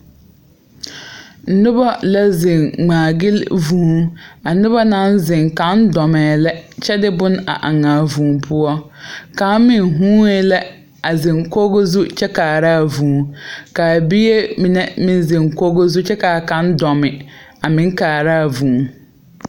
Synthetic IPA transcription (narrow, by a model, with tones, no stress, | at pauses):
n̩˨˦nʊ˦bɔ˦lɛ˦zɪ̃˨ŋŋ͡mãː˨ɡɪ˦lvũ˨˦a˨nʊ˦bɔ˦nã˦n˦zɪ̃˨ŋkã˨˦ndɔ˨mɛː˨lɛ˦t͡ʃɛ˦dɪ˦bʊ̃˦na̰˨ʔa˨ŋãː˨vũː˨m˦pʰʊ˦ɔ˦kã˨˦mmɪ̃˨nɦũː˦ɛ˦lɛ˦ | a˨zɪ̃˨ŋko˦ɡo˦zu˦t͡ʃʰɛ˦kaː˨ɾa˦˨vũː˨˦ka˨bi˦e˦mĩ˨nɛ˦mɪ̃˦n˦zɪ̃˨ŋ˨ko˦ɡo˦zu˦t͡ʃɛ˦kaː˨kã˦ndɔ˨mɪ˨a˨mɪ̃˨˦ŋ˦kaː˨ɾaː˦˨vũː˨˦˨ŋ